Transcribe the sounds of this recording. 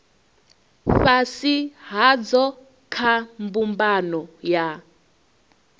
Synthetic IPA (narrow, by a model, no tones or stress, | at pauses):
fasiɦad͡zɔ | kʰambumbanɔja